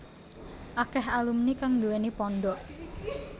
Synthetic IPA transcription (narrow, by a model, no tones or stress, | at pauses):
ʔakɛhalumnikaŋd̪uwɛnipɔnɖɔʔ